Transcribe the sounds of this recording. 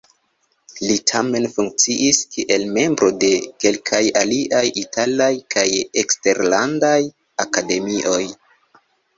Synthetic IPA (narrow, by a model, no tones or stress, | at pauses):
litʰame̞nfuŋk̚t͡siʔiskiʔe̞lme̞mbɾo̞de̞ke̞lkʰajaliʔajitʰalajkʰajekste̞ɾlandaj | akade̞miʔo̞j